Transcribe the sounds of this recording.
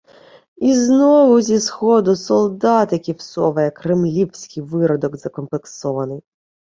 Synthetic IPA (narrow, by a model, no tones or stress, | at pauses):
iznɔʋʊzʲisxɔd̪ʊsɔlˠd̪ɑt̪ɪkʲiwsɔʋɐjɐkɾemlʲiwsʲkɪjʋɪɾɔd̪ɔɡzɐkɔmplˠeksɔʋɐnɪj